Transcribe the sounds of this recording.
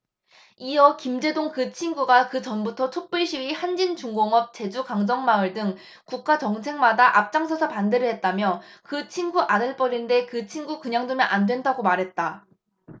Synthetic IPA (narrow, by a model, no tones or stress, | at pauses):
ijʌkimd͡ʑe̞doŋkɯt͡ɕʰinɡuɡakɯt͡ɕʌnbutʰʌt͡ɕʰok̚p͈uɭɕ͈ʰiwihand͡ʑint͡ɕuŋɡoŋʌp̚t͡ɕe̞d͡ʑukaŋd͡ʑʌŋmaɯɭdɯŋ | kuk̚k͈at͡ɕʌŋsʰe̞ŋmadaʔap̚t͡ɕ͈aŋsʰʌsʰʌpande̞ɾɯɭɦe̞t̚t͈amjʌkɯt͡ɕʰinɡuʔadɯɭp͈ʌɾinde̞kɯt͡ɕʰinɡukɯɲaŋdumjʌnʔandwe̞ndaɡomaɾɦe̞t̚t͈a